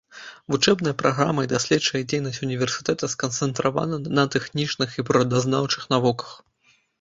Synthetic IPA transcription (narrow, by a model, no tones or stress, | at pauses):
vut͡ʂɛbnɐjɐpɾʔaɣɾa̰mɐid̪asʲlʲɛt̪t͡ʂɐjɐd͡zʲejnɐsʲt͡sʲunʲivʲɛrsʲɨ̥t̪ɛt̪ɐskɐnt̪sɛnt̪ɾava̰nɐnɐt̪ɛxnʲit͡ʂnɨxipɾɐd̪aznawt͡ʂɨxnavɔkɐ̥x